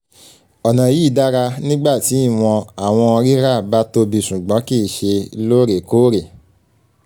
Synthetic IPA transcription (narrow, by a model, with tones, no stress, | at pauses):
ɔ˨nã˨ji˨˦˨da˦ɾa˧nĩ˦ɡ͡ba˦˨ti˨˦i˦˨w̃ɔ̃˧a˨w̃ɔ̃˧ɔ˧ɾi˦ɾa˦˨ba˦to˧bi˧ʃũ˨ɡ͡bɔ̃˨˦ki˦˨ʃe˧lo˦ɾe˨ko˦ɾe˨